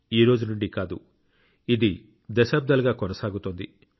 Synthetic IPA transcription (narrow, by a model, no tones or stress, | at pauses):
iːɾo̞ːd͡ʒunuɳɖikaːd̪ṵ | id̪i | d̪ɐsaːb̚d̪ɐlɡaːkonɐsaːɡut̪oːnd̪i